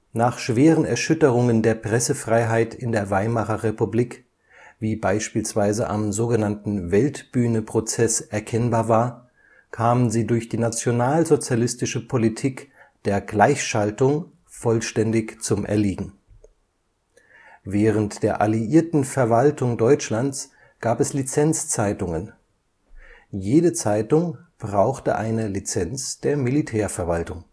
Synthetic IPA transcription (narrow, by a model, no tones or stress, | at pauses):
naːχʃv̥eːʁənɛɐʃʏtəʁʊŋəndeːɐpʁ̥ɛsəfʁ̥aɪɦaɪtʰɪndeːɐvaɪmaχɐʁepubliːk | viːbaɪʃpiːlsv̥aɪzəʔa̰mzoːɡənantn̩vɛltb̥yːnəpʁ̥ot͡sɛsʔɛɐkʰɛnbaːɐvaːɐ | kʰaːmənziːdʊɐçd̥iːnat͡sjonaːlzot͡sjalɪstɪʃəpʰolitʰiːkd̥eːɐɡlaɪçʃaltʊŋ | fɔlʃtɛndɪçt͡sʊmʔɛ̰ɐliːɡŋ̩ | vɛːʁ̞əntd̥eːɐʔaliʔiːɐtn̩fɛɐvaltʰʊŋdɔʏt͡ʃlant͡s | ɡ̥aːpɛslit͡sɛnt͡st͡saɪtʊŋən | jeːdət͡saɪtʊŋb̥ʁaʊxtə̰ʔaɪnəlit͡sɛnt͡sd̥eːɐmilitʰɛːɐfɛɐvaltʊŋ